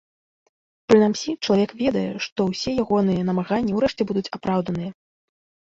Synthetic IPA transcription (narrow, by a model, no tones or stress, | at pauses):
pɾɨnamsʲit͡ʂɐlˠavʲɛkvʲɛd̪ɐjɛ̰ʂt̪ɔwsʲɛjaɣɔn̪ɨjɐn̪ɐmaɣanʲːɐwɾɛʂt͡sʲɛbud̪ut͡sʲapɾawd̪ɐnɨjɐ